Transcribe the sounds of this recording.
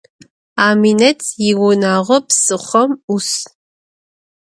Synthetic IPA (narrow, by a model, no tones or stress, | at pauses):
aːminɐtʰjiwʊnaːʁɔpsɨχʷɐmus